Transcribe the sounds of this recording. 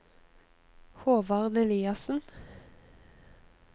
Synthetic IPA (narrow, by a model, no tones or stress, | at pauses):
hoːʋɑʁd̪ɛliːɑsn̩